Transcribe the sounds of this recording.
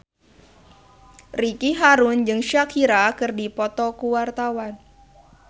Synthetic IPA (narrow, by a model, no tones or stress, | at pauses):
rikiɦaɾʊnd͡ʒɨŋʃakʰiɾakɨrdipɔt̪ɔkuwart̪awan